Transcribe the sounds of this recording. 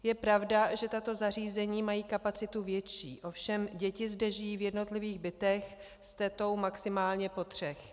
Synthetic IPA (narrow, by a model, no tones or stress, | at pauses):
jɛpɾavdaʒɛt̪at̪o̞zar̝iːzɛɲiːmajiːkapat͡sɪt̪uvjɛt͡ʃḭːʔo̞fʃɛmɟɛcɪzdɛʒɪjiːvjɛdno̞t̪lɪviːɣbɪt̪ɛx | st̪ɛt̪o̞wmaksɪmaːlɲɛpo̞t̪r̝̥ɛx